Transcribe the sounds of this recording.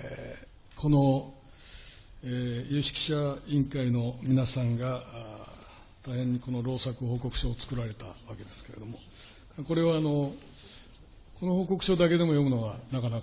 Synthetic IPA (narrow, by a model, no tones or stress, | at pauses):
e | kʰo̞no̞ | ejɯːɕi̥ki̥ɕaĩŋkaino̞mʲinasãŋɡa | t̪aihẽ̞ɲ̟ːiko̞no̞ɾo̞ːsakɯ̟ɦo̞ːko̞kɯ̟ɕo̞ːt͡sɨ̥kɯ̟ɾaɾe̞t̪a̰βake̞d̪e̞sɨ̥ke̞ɾe̞d̪o̞mo̞ | ko̞ɾe̞βaːno̞ | ko̞no̞ho̞ːko̞kɯ̟̥ɕo̞ːd̪ake̞d̪e̞mo̞jo̞mɯ̟no̞βanakanak